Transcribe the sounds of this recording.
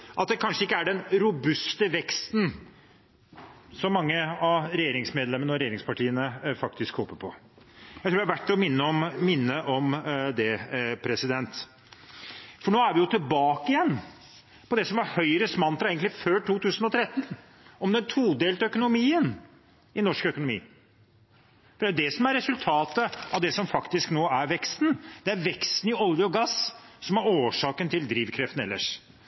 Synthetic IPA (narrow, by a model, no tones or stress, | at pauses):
ʔɑt̪̚d̪ɛkʰɑnʂəɪkːəæɖɛnɾʊbʉst̪əʋɛkst̪n̩ | sɔmːɑŋːəɑɾɛjeːɾɪŋsmeːd̪lɛmːənəɔɾɛjeːɾɪŋspɑʈiːənəfɑk̚t̪ɪskhoːpːəpʰɔ | jjæɪt̪ʰɾuːd̪ɛhɑʋæʈːɛɔmɪnːəɔmmɪnːəʔɔmd̪ɛpʰɾɛsɪd̪ɛnt̪ | fɔɳoːæɾʋɪjʊt̪ʰɪlbɑːkəɪjɛnː | pɔd̪ɛsɔmʋɑɾhœʏɾəsmɑnt̪ɾɑeːɡənɪføːʈʰuːt̪ʰʉːsən̩ɔt̪ʰɾɛt̪ːn | ɔmd̪ɛnt̪ʰuːd̪eːlt̪œkʊnʊmiːən | ɪnɔʂkœkʊnʊmḭː | fɔd̪æɾjʊd̪ɛsɔmæɾːɛsʉlt̪ʰɑːt̪əɑʋd̪ɛsɔmfɑkt̪ɪsknoːæɾʋɛkst̪n̩d̪̥ɛæɾʋɛkst̪n̩ɪɔljəɔɡɑssɔmæɾoːʂɑːkənt̪ʰɪld̪ɾiːʋkʰɾɛft̪n̩ɛlːə̰ʂ